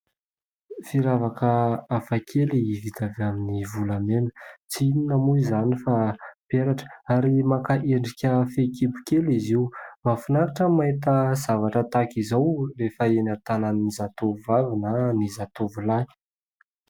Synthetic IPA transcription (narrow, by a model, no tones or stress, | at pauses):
fiɾavakəafakʰelivit̪avaminivulamenə̥t͡siininamuizanifapeɾaʈ͡ʂə̥aɾimakaʔeɳɖ͡ʐikʲəfekibukeliziumafunaɾaʈ͡ʂəmait̪̬əz̥avaʈ͡ʂət̪akizawrefəenat̪ananinizat̪ovuvavinanizat̪ovulaj